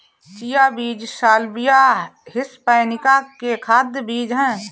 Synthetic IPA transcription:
t͡ʃijabiːd͡ʒsaːlbijahɪspəjnɪkakekʰaːd̪jbiːd͡ʒɦɛ̃ː

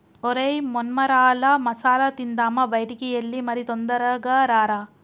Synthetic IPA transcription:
oɾɐjmonmɐɾaːlɐmɐsaːlɐt̪ind̪aːmɐbɐjʈikijɐlːimɐɾit̪ond̪ɐɾɐɡɐɾaːɾa

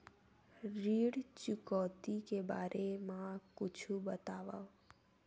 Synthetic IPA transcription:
ɾiːɽt͡ʃʊkɔt̪ikebaɾʔemãkʊt͡ʃʰubət̪aʋaʋ

